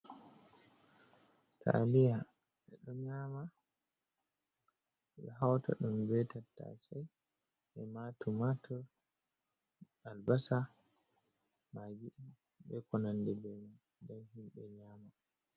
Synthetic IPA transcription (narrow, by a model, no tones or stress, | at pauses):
tʰa̰lija | ɛ̰ɗɔɲama | ɓɛɦawta̰ɗumbɛtatːa̰saj | ɛmatumatʰɔ | albasa | maɡiʔi | bɛkɔnandɛbɛnɔn | dɛnhimbɛɲama